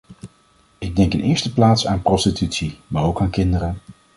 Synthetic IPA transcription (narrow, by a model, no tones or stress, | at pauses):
ɪɡ̚dɛŋkənʔɪ̰ːɹstəplaːtsaːnprɔstitytsimaːɹowkaːnkɪndərə